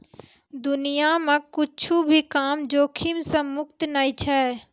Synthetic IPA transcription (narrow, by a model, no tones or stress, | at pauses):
d̪ʊnijamãkʊt͡ʃʰubʱikaːmd͡ʒoːkʰimsɐ̃mʊkt̪naːit͡ʃʰɛː